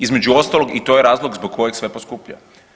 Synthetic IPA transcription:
izme̞d͡ʒuo̞st̪alˠo̞ɡit̪o̞jeɾaːzlˠoɡzboɡ̚kːo̞jeksʋeposkupʎa̰

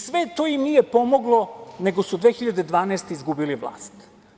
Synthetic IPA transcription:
sʋet̪ojimnijepo̞moɡlˠone̞ɡo̞sud̪ʋeːxiʎad̪ed̪ʋaːnɛːst̪eizɡubiliʋlˠa̰ːst̪

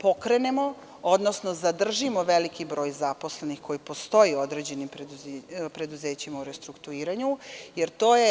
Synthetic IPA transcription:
po̞kɾe̞nemo̞ | od̪nosno̞zad̪r̩ʒimo̞ʋelikibɾo̞ːjzapo̞sle̞nixko̞jipo̞st̪o̞jio̞d̪ɾe̞d͡ʑe̞nimpɾepɾe̞d̪uze̞ːt͡ɕimauɾest̪ɾukt̪uiːɾaɲujeɾt̪o̞ːje

